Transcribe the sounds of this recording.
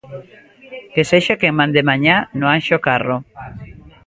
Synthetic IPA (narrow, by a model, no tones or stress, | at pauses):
keseʃakeŋmãnd̪emaɲanoanʃokaro